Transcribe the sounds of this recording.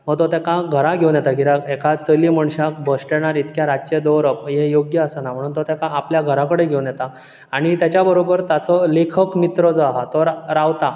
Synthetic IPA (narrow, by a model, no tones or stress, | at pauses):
mət̪ɔt̪ɛkãɡʱəɾaɡʱewnjɛt̪aɡiɾakekat͡səliːməɳɕak̚bəsʈeɽ̃aɾit̪kjaɾad͡ʑt͡ɕed̪ɔɾəpjejoɡjəəsənam̤əɽ̃uːnt̪ɔt̪ɛkaːpljaɡʱəɾãkəɽeɡʱewnjɛt̪a | aɽ̃it̪jat͡ɕabəɾobəɾt̪at͡sɔlekʰəkmit̪ɾəd͡zɔaɦat̪ɔɾɾawt̪a